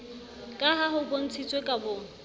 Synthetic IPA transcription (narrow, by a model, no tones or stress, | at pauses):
kʼaɦaɦʊbon̩t͡sʰit͡sʼwekʼabʊːŋ̩